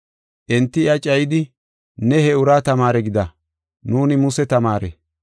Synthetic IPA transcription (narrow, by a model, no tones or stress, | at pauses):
ʔɛnt̪ːɪjɐt͡ʃʼɐjɪd̪ɪ | nɛhɛʊɾaːt̪ɐmaːɾɛɡɪd̪ɐ | nuːnɪmʊsɛt̪ɐmaːɾɛ̰